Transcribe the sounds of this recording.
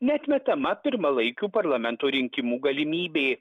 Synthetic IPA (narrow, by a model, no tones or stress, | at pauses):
nʲɛt̪ʲmʲɛt̪ɐmɐpʲɪɾmɐlˠɐɪkʲuːpɐɾlˠɐmʲɛnt̪oːɾʲɪŋʲkʲɪmuːɡɐlʲɪmʲiːbʲeː